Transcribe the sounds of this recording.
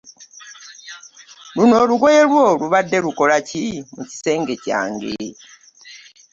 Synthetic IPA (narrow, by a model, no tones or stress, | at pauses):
luno̞ːluɡwo̞jelwoluβadːe̞luko̞lacimuci̥se̞ːŋɡe̞ca̰ːŋɡe